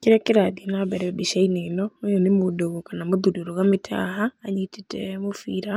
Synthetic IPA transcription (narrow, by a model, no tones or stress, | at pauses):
keɾɛkeɾaðienabɛɾɛbiʃainenɔojɔnemodoɣokanamoðudioɾoɣametʰa̰ɦaːɲitetɛmofiɾa